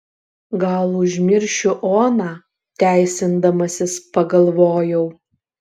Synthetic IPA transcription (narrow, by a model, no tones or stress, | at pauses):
ɡɐlˠʊʒʲmʲɪɾʲʃʲʊʔoːnɑː | t̪ʲæˑɪsʲɪnd̪ɐmɐsʲɪspɐɡɐlˠʋoːjɛʊ